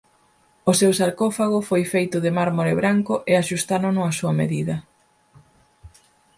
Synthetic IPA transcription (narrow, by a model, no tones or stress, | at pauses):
ʊsewsaɾkɔfaɣ̞ʊfojfejt̪ʊðɪmaɾmoɾeβɾaŋkʊʔeaʃust̪anʊnʊasuɐmḛðiðɐ